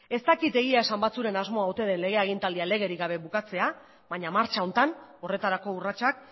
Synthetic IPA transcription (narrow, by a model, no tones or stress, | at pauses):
e̞st̪akit̪e̞ɣ̞iae̞sambat͡suɾe̞nazmo̞aot̪e̞ðe̞nle̞ɣ̞e̞aɣ̞int̪ald̪iale̞ɣ̞e̞ɾiɡaβ̞e̞βukat͡se̞a | βaɲamaɾt͡ʃao̞nt̪ano̞re̞t̪aɾako̞urat͡ʃak